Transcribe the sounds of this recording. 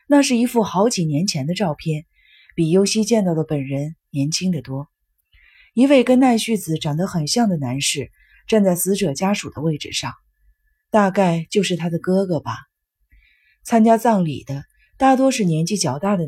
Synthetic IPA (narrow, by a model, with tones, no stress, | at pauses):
na˥˧ʂɻ̩˥˩i˧˥fu˥˩xɑ˧˥ʊt͡ɕi˨˩njɛ˧˥nt͡ɕʰjɛ˧˥nd̪ə˧ʈ͡ʂɑ˥˧ʊpʰjɛ˥˩n | pi˨˩jo˥ʊɕi˥t͡ɕjɛ˥˧nt̪ɑ˥˩ʊd̪ə˩pə˨˩nɻə˧˥nnjɛ˧˥nt͡ɕʰi˥ŋd̪ə˨t̪wɔ˥ | i˧˥we˥˩ɪkə˥nna˥˧ɪɕy˥˩t͡sɹ̩˨˩ʈ͡ʂɑ˨˩ŋd̪ə˦xə˨˩nɕjɑ˥˩ŋd̪ə˩na˧˥nʂɻ̩˥˩ | ʈ͡ʂa˥˧nt͡sa˥˩ɪsɹ̩˧˥ʈ͡ʂɤ˨˩t͡ɕja˥ʂu˨˩d̪ə˦we˥˩ɪʈ͡ʂɻ̩˨˩ʂɑ˥˩ŋ | t̪a˥˧ka˥˩ɪt͡ɕjo˥˧ʊʂɻ̩˥˩t̪ʰa˥d̪ə˨kɤ˥ɡɤ˨˩bɐ˩ | t͡sʰa˥nt͡ɕja˥t͡sɑ˥˩ŋlḭ˨˩d̪ə˦ | t̪a˥˩t̪wɔ˥ʂɻ̩˥˩njɛ˧˥nt͡ɕi˥˩t͡ɕjɑ˨˩ʊt̪a˥˩d̪ə˩